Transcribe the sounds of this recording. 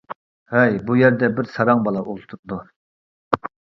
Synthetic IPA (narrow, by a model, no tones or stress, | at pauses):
hɛjbujɛɾd̪ɛbɪɾsɑɾɑŋbɑlˠɑʔulˠt̪ʰuɾd̪u